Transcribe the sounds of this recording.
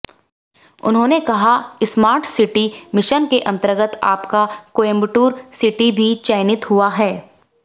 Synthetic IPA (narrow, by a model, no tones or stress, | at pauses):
ʊ̰nɦõːnekɐɦaɪsmaːɾʈsɪʈimɪʃənkeʔɐ̃nt̪əɾɡət̪a̰ːpkakoːẽmbʈuːɾsɪʈibʱit͡ʃɛːɪnɪt̪ɦuaɦɛː